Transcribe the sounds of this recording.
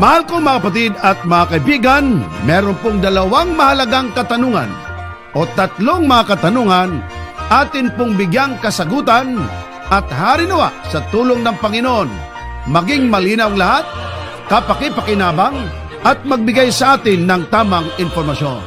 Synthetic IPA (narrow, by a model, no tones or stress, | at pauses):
mɐhalkoŋmɐakɐpat̪̬ɪd̪ɐt̪̚mɐŋakɐibiːɡanmɛːɾonpoŋd̪ɐlɐwaŋmɐhɐlɐɡaŋkɐt̪ɐnuŋa̰n | ʔo̞t̪ɐt̪loŋmɐŋakɐt̪ɐnuŋanʔaːt̪ɪnpʊŋbɪɡjaŋkɐsɐɡuːt̪an | ʔɐt̪̚haːɾɪnʊwa̰sɐt̪uːloŋnɐŋpɐŋɪnoʔon | mɐɡɪŋmɐliːnɐwŋlɐhat̪̚ | kɐpɐkɪpɐkɪnaːbaŋ | ʔɐt̪̚mɐɡ̚bɪɡajsɐʔaːt̪ɪnːɐŋt̪aːmaŋɪnpoɾmɐʃo̰n